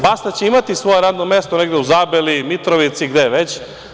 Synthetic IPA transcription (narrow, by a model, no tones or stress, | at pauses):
bast̪at͡ɕeimat̪isʋo̞jeɾaːd̪nomest̪oneɡd̪euzaːbelimit̪ɾoʋit̪siɡd̪eʋet͡ɕ